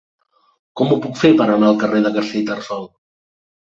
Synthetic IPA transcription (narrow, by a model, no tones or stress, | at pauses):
kɔmupukfepəɾənaəlˠkəreðəɣəɾsiʎt̪ərsɔw